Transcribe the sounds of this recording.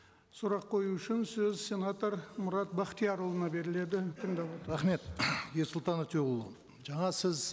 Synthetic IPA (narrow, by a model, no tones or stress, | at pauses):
sʊɾɑqʰːo̞juʏʃɪnsɵzsʲe̞nat̪oɾmʊɾɑt̪̚bɑqt̪ijɑɾolˠənɑbe̞ɾɪle̞d̪ɪt̪ʰəɴd̪ɑbolˠɾɑχme̞t̪jeɾsʊlˠt̪ɑnɑt̪ʰoʁəlˠə | ʒɑɴɑsɪz